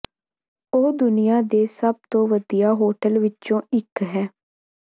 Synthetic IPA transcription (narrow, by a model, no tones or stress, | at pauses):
oːd̪ʊnɪjãːd̪eːsəb̚t̪õːʋəd̪ijaːɦoːʈəlʋɪt͡ʃːt͡ʃõːɪkɦɛː